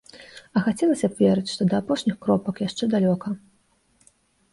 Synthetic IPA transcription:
ɐxat͡sʲɛlˠɐsʲɐbvʲɛɾɨt͡sʲʂt̪ɔd̪ɐːpɔʂnʲixkɾɔpɐkjaʂt͡ʂɛd̪alʲɔkɐ

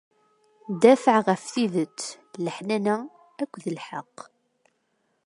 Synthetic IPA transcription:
d̪æfəʕʁəfθiðət͡sː | ləħnænæ | ækʷːðəlħəqː

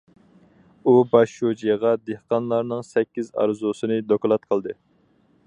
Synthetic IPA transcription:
ubɑʃʃud͡ʒijʁɑd̪ehqɑnlˠɑɾnɨŋsɛkʲːizɑ̰ɾzusɨnɨd̪oklˠɑt̪̚qʰəlˠd̪ɨ

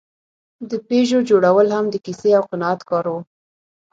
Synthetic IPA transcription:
d̪əpeʒod͡ʒoɽawəlhamd̪əkiseawqɪnɑat̪kɑɾwu

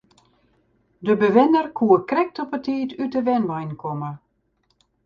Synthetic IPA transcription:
dəbəʋɪnərkʰuəkrɛk̚tɔpətʰiːtytəʋɛnʋajnkʰɔmə

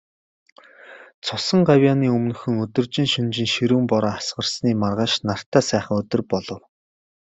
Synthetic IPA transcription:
t͡sʰʊsə̆ŋɢawʲjaːniːɵmnɵ̆xɵ̆ŋɵt̪ɵ̆rt͡ɕɪ̆ŋʃint͡ɕɪ̆ŋʃiɾuːmpɔɾɔːasɢə̆rsniːmarʁaːʃnar̥t̪æːsæːχə̆ŋɵt̪ɵ̆rpɔɮɞ̆w

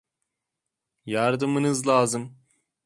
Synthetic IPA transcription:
jaɾd̪ɯmɯnɯzlˠaːzɯm

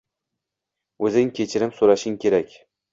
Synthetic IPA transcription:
ɵzɪŋkʲʰe̞t͡ʃʰɪɾɪmsoɾaʃɪŋkʲʰe̞ɾakʲ

